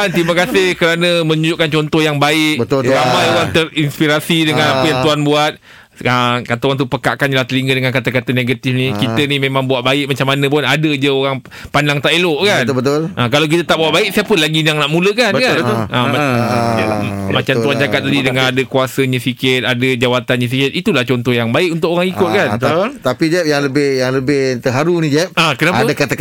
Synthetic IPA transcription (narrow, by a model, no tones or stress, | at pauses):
ant̪iməkasɪhkəɾanə̃mə̃ɲud͡ʒuʔkant͡ʃɔnt̪ɔhjaŋbaɪʔəɾamãjant̪ərinspiɾasidəŋãnapəjaŋt̪uanbuat̪̚ | əkat̪awant̪upəkaʔkanlaht̪əliŋɡədəŋankat̪akat̪əneɡat̪ɪfnikit̪ənimẽmãŋbuaʔbaɪʔ̚mat͡ʃamːanə̃p̬ʊnadəd͡ʒəoɾaŋ | pandaŋt̪aʔeloʔkanət̪ʔəkalawk̬it̪ət̪aʔbuwaʔbaɪʔ̚siapəlaɡijaŋnaʔmũləkanbkaət̪ʔə̃a | mat͡ʃamt̪uant͡ʃatkat̪̚ladidəŋannadəkuasəɲə̃sikɪt̪̚adəd͡ʒawat̪anɲə̃s̬ikɪt̪̚it̪ulaht͡ʃɔnt̪ɔhjaŋbaɪʔunt̪ʊkoɾaŋikʊt̪̚kant̪apid͡ʒɛp̚jaŋləbɪhjaŋləbɪht̪əɦaɾunid͡ʒɛp̚akənaaədakat̪ak